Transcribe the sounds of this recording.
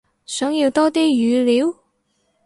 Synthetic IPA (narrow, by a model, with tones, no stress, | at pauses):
sœː˨˥ŋji˧wt̪ɔː˥t̪iː˥jyː˨˧liː˨˥w